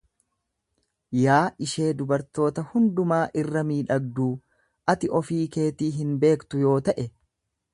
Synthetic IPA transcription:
jaːʔɪʃe̞ːd̪ʊbɐɾt̪o̞ːt̪ɐhʊnd̪ʊmaːʔɪrːɐmiːᶑɐɡ̚d̪uː | ʔɐt̪ɪʔɔfiːke̞ːt̪iːɦɪnbe̞ːkt̪ʊjo̞ːt̪ɐʔɛ

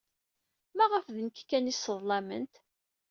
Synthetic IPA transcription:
mæʁəfðənkkːænisːəðˤlɑmə̰nt̪

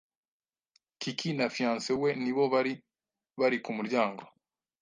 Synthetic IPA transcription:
kikʰinafijãːnseweniβo̞βaɾi | βaɾikumuɾɟaːŋɡo

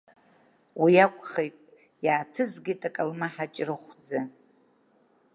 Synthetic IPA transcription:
wijakʷʼχejtʼ | jaːtʰɨzɡʲitʼakʼalmaħat͡ʃʼrɨχʷd͡zɨ

